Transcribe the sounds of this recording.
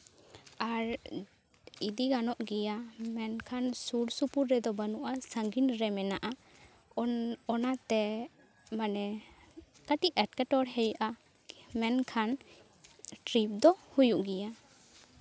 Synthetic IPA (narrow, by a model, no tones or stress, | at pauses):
aɾ | id̪iɡanɔʔɡɛjamɛnkʰansuɾsupuɾːɛd̪ɔbənuʔasəŋɡinɾɛmɛnaʔa | ɔnat̪ɛ | manɛ | kəʈiʔɛʈ̚kɛʈɔɾɦɛjʔa | mɛnkʰan | ʈɾip̚d̪ɔhujuʔɡɛja